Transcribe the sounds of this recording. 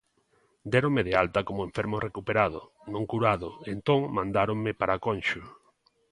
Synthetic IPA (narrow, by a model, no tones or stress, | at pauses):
d̪ɛɾõŋmeðealt̪akomoẽɱfeɾmosrekupeɾað̞o̰ | nõŋkuɾaðoent̪oŋmãnd̪aɾoŋmɪpaɾakonʃʊ